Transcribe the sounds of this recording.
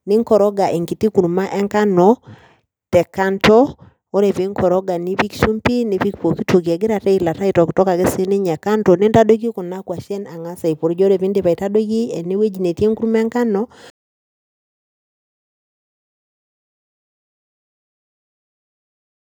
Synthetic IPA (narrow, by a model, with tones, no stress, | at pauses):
ni˦ŋkɔ˨ɾɔ˦ɡa˨ʔe˨ŋki˨ti˦ku˨ɾuma˦ʔɛ˦ŋka˦nɔ˨ | tɛ˨ka˦ntɔ˦ | o˦ɾe˨vi˦ŋkʰɔ˨ɾɔ˦ɡa˨ni˦βi˦kʃu˦mpi˦ne˨βi˦kpo˨ki˦to˨ki˨ɛ˨ɡe˦ɾa˨tɛ˦ila˨ta˦i˨tɔ˨ki˨tɔ˦ka˨ke˦se˦ne˦ɲɛ˨ka˦ntɔ˨ne˦nta˦do˦ki˦ku˨na˦kwa˨ʃɛ˦na˨ŋa˦sa˨i˨po˨ɾd͡ʒɔ˦ɾe˨vi˦nde˨βa˨i˨ta˦do˦ɣi˦ɛ˨ne˦we˦d͡ʒi˨ne˨tje˦ŋku˦ɾu˦mɛ˦ŋka˦nɔ˦